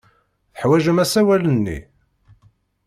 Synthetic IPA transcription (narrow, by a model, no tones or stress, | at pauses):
θə̥ħwæʒəmæsæwælənːḭ